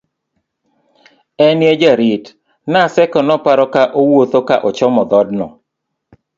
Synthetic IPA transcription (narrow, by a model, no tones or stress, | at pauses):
ɛnjed͡ʒaɾɪt | nasɛkɔnɔpaɾɔkaʔowot̪okaʔɔt͡ʃɔmɔd̪ɔd̚nɔ̰